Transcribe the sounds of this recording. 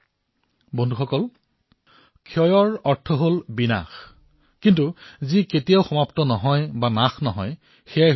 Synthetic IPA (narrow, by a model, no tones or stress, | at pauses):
bondʱuxɔkɔl | kʰjɔjɔɹɔɹtʰɔɦolbina̰x | kintuziketijaʊxɔmaptɔnɔɦɔjbanaxnɔɦɔj | xejaj